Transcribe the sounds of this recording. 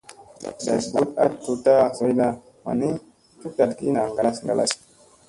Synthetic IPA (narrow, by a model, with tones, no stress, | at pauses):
ba̰˨sbu˦ta̰˦ttu˨ta˦zo˨˦jna˦ | ma̰˨ni˦ | tu˦ta˨tɡḭ˦na˨ŋɡa˨la˦sŋɡa˨lʔa̰˨s